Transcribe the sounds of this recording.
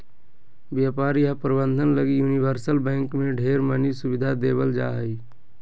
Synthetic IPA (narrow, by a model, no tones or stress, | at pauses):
ʋjaːpaːɾjapəɾbə̃nd̪ʱənləɡijuːniʋəɾsəlbɛ̃ːŋkmẽɖʱeːɾmənisʊʋɪd̪ʱad̪eːbəld͡ʒa̰ːɦəi